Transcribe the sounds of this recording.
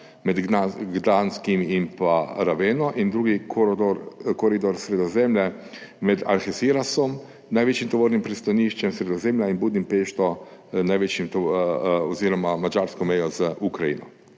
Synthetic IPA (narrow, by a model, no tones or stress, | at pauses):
mɛd̪ɡaɡd̪anskimimpaɾaʋeːnɔʔind̪ɾuːɡik̪ʰoɾkoɾid̪oɾsɾed̪ozemlɛ | mɛd̪a̰ɾxesiɾasɔm | naːjʋet͡ʃimt̪oʋoːɾnimpɾist̪aniʃt͡ʃɛmsɾed̪ozemʎainbuːd̪nimpeːʃt̪ɔnajʋet͡ʃimt̪ | oziːɾomamad͡ʒaːɾskɔmejozʔukɾajḭnɔ̰